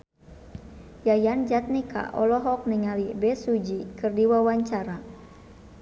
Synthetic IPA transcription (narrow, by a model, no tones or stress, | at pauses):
jajand͡ʒat̪̚nika̰ʔɔlɔɦɔk̚niŋalibɛsud͡ʒikɨrdiwawaɲt͡ʃaɾa